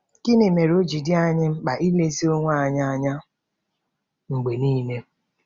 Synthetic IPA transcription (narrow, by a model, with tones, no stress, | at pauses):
kɪ˦ne˨me˨ɾo˦d͡ʒi˨dɪ˦a˦ɲɪ˦ŋ͡m̩˦k͡pa˨ʔi˦le˦zi˦o˦ŋʷa˦a˨ɲa˦a˨ɲa˦ | ŋ͡m̩˨ɡ͡be˨niː˦ne˦